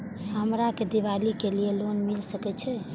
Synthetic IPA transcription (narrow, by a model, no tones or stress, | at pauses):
ɦəmɾaked̪iʋalikelielonmilsəkɛt͡ʃʰɛ